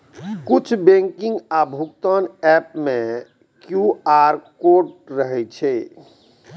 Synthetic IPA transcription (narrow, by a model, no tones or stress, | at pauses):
kut͡ʃʰbẽŋkĩŋɡabʱukt̪ənɛp̚mẽ | kjuaɾkoɖɾəɦɛt͡ʃʰɛ